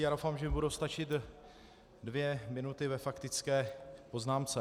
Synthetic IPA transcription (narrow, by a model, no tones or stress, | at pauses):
jaːdowfamʒɛmɪbudowst̪at͡ʃɪt̪ | dvjɛmɪnut̪ɪvɛfakt̪ɪt͡skɛːpo̞znaːmt͡sɛ